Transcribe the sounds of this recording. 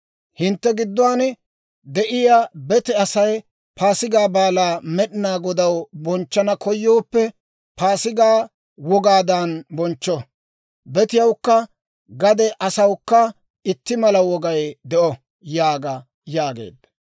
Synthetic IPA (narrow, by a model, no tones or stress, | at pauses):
hɪnt̪ːɛɡɪd̪ːɔaːnɛ | d̪ɛʔɪjabɛt̪ɛɐsɐj | pʰaːsɪɡaːbaːlaːmɛɗɪnaːɡɔd̪ɐwbɔnt͡ʃːɐnɐkʰɔjːoːpːɛ | paːsɪɡaː | wɔɡaːd̪anbɔnt͡ʃːɔ | bɛt̪ɪjɐwkːɐ | ɡɐd̪ɛʔɐsɐwkːɐ | ɪt̪ːɪmɐlɐwɔɡɐjd̪ɛʔɔ | jaːɡɐ | jaːɡḛːd̪ːɐ